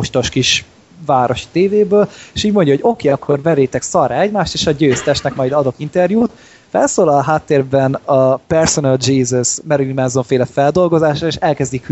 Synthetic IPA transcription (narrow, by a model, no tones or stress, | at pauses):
oʃt̪o̞ʃkiʃ | vaːɾʔo̞ʃi̥t̪eːveːbøːleːʃuːɟmo̞ɲɟɒɦo̞ɟo̞keːɒkʰːo̞rvɛɾeːt̪ɛksɒraɛɟmaːʃt̪eːʃɒɟøːst̪ɛʃt̪nɛkmɒjd̪ɒd̪o̞kint̪ɛrjuːt̪ | fɛ̰lsoːlɒlɦaːt̪ːeːrbɛnɒpɛrsonɛld͡ʒiːzɛsmɛɾulimɛnzoɱfeːlɛfɛld̪o̞lɡo̞zaːʃɒeːʃɛlkɛzd̪ik